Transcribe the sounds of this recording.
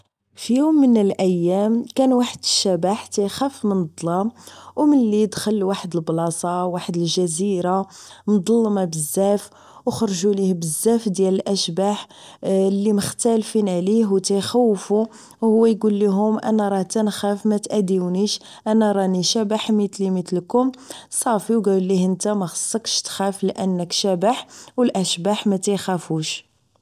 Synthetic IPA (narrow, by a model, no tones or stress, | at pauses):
fjumːənəlʔæjːæmkænwaħəd̪əʃːæbaħt̪æjxæfmənd̪ˤlɑmwmənlid̪xəlːwaħəd̪əlblɑsˤɑwaħəd̪əlʒæziɾand̪ˤɑlːmɑbəzːæf | wxɾˤʒulihbəzːæfd̪jæləlʔæʃbaħ | lːiməxt̪ælfinʕliɦwt̪æjxæwːfu | whʊwːæjɡulːiɦʊmʔæ̰næɾˤɑht̪ænxæfmæt̪ʔæd̪iwuniʃ | ʔænæɾˤɑniʃæbaħmit̪limət̪lkʊmsˤɑfiwɡællːihənt̪æmæxɑ̥sˤːəkʃt̪xæflʔənːəkʃæbaħwəlʔæʃbaħmæt̪æjxæfuʃ